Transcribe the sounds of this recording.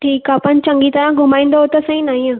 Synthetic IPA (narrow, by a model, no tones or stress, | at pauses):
ʈʰiːkaːpənt͡ɕɐ̃ŋɡit̪ɐɾãɡʱʊmaːĩːnd̪oɦot̪ɐsĩnaːɦĩãː